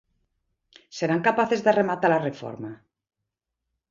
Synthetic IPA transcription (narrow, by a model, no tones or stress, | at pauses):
se̞ɾaŋkapaθe̞zðearemat̪alarefo̰ɾma